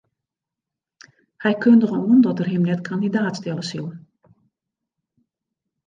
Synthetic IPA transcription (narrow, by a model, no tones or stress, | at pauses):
hɛjkʰøndəɣənuəndɔtərɦɪmnɛtkʰandidaːtstɛləsilˠ